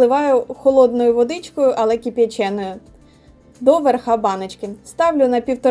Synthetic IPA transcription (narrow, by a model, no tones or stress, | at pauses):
lˠɪʋɑjʊxɔlˠɔd̪nɔjʊʋɔd̪ɪt͡ʃkɔjʊʔɐlˠɛkʲipʲjɐt͡ʃɛnɔjʊ | d̪ɔʋerxɑbɑnɪt͡ʃkɪst̪ɑwlʲʊnɐpʲiwt̪ɔ